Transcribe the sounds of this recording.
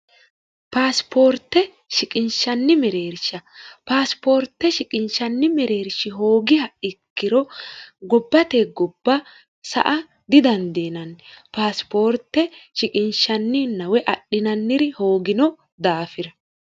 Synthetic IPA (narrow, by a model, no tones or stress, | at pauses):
paːspʰo̞ːɾt̪ːɛ | ʃɪkʼɪnʃɐnːɪmɛɾeːɾʃɐpaːspo̞ːɾt̪ːɛʃɪkʼɪnʃɐnːɪmɛɾe̞ːɾʃɪɦo̞ːɡɪhɐɪkːɪɾɔɡɔbːɐt̪eːɡɔbːɐ | sɐ̰ʔɐ | d̪ɪd̪ɐnd̪eːnɐnpaːspo̞ːɾt̪ːɛʃɪkʼɪnʃɐnːɪnːɐwɛʔɐɗɪnɐnːɪɾɪho̞ːɡɪnɔ | d̪aːfɪɾɐ